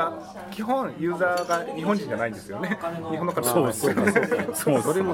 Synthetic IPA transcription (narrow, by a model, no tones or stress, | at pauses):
a | kʲiɦõ̞ɰ̃jɯ̟ːzaːɡaɲiɦõɲ̟d͡ʑĩɲ̟d͡ʑanaĩnd̪e̞sɨjo̞ne̞ɲihonːokaoːd̪esɨjonesdoɾeɡ